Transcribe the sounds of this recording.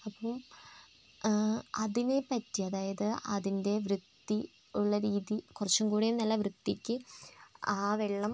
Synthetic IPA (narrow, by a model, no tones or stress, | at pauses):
ɐpːɐm | ɐðinepɐtːiɐðaːjɐðɨʔɐðinde̞ʋrɨd̪ːi | uɭːɐɾiːðikurɐt͡ɕːumkuːɽejumnɐlːɐʋrɨd̪ːikʲːɨ | aːʋeɭːɐm